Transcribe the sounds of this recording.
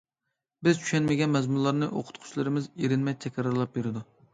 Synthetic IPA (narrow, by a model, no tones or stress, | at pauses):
bɪzt͡ʃʰy̥ʃɛnmɪɡʲɛnmɛzmunlˠɑɾnɨʔo̰qʰʊ̥t̪qʰʊ̥t͡ʃlɨɾɪmɪzeɾɪnmɛjt͡ʃ̪ʰɛkʲʰɾɑɾlˠɑp̚beɾɪd̪u